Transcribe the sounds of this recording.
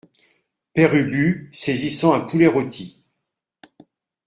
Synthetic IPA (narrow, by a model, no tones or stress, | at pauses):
pɛʁybysezisɑ̃ɛ̃puleʁot̪ʰi